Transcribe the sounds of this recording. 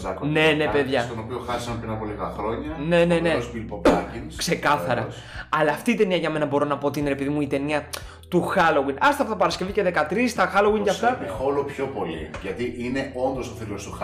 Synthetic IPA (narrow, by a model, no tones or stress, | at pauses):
ɐkone̞nepeðʝɐt̪onopioxɐɾisɐmpɾinɐpo̞liɣɐxɾo̞ɲɐne̞ne̞neospilpopɐcinskse̞kɐθɐɾɐ̰ | ɐlɐːft̪iːt̪e̞niɐʝɐme̞nɐbo̞ɾo̞nɐpo̞ot̪ineepiðimuit̪e̞niɐ | t̪uxɐlo̞winɐst̪ɐpot̪ɐpɐɾɐsce̞vice̞ðe̞kɐt̪ɾist̪ɐxɐlo̞winʝɐft̪ɐexolopço̞po̞lḭʝɐt̪iʔine̞o̞nd̪o̞soθilost̪ux